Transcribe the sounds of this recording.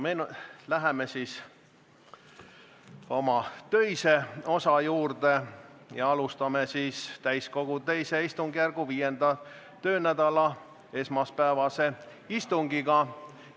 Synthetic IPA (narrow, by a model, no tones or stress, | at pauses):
menlæɦemesiːs | o̞mɑt̪ø̞jse̞o̞sɑjuːrd̪̥e̞jɑɑlust̪ɑme̞siːst̪æjsko̞ɡ̥ut̪e̞jse̞ist̪uŋɡ̥jærɡ̥uviːje̞nd̪̥ɑ | t̪ø̞ːnæd̪̥ɑlɑ | e̞smɑspæevɑse̞ | ist̪uŋɡ̥iɡ̥ɑ